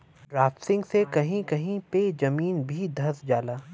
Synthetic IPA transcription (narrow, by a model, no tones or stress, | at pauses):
ɾaːfsɪ̃ŋɡsekɐɦĩkɐɦĩped͡ʒɐmiːnbʱid̪ʱɐsd͡ʒaːlaː